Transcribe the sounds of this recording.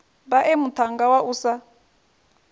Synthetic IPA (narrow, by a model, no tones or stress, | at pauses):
baʔemut̪ʰaŋɡawaʔuːsa